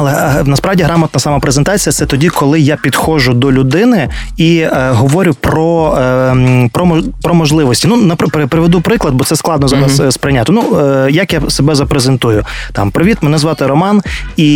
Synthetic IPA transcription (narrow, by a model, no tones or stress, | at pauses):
ɐlˠɛnɐspɾɑʋdʲiɦɾɑmɐt̪nɐsɐmɐpɾezent̪ɑt͡sʲijɐt̪sɛt̪ɔdʲikɔlˠɪjapʲid̪xɔʒʊd̪ɔlʲʊd̪ɪnɪiɦɔʋɔɾʲʊpɾɔ | pɾɔmɔpɾɔmɔʒlˠɪʋɔsʲtʲinunɐppɾɪpɾɪʋed̪upɾɪklˠɐd̪̚bɔt̪sɛsklˠɑd̪nɔzɑɾɐsspɾɪjnʲat̪ɪnujɐkjasebɛzɐpɾezent̪ujʊ | t̪ɑ̰mpɾɔʋʲit̪mɛnɛzʋɑt̪ɪɾɔmɑn | i